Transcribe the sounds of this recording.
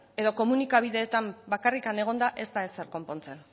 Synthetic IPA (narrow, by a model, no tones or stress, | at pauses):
e̞ðo̞ko̞munikaβ̞iðe̞ːt̪ambakarikane̞ɣ̞o̞nd̪aʔe̞zt̪ae̞se̞ɾko̞mpo̞nt͡se̞n